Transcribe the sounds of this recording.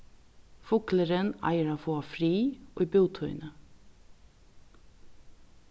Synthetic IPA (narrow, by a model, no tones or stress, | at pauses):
fʊkləɾənæ̰ɪəɾɑːfoːɑfɾiːʔo̰ibuːt̪ʰɔʏ̰nə